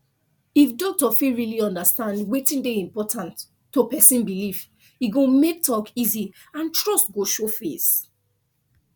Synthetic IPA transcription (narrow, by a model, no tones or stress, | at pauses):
ifdotɔfiɹiliɔ̃ndastãndwetĩndeĩmpɔtʰãntː | opɛsĩnbilif | iɡõmek̚tʰɔkizi | ãntɹɔstɡoʃofḛs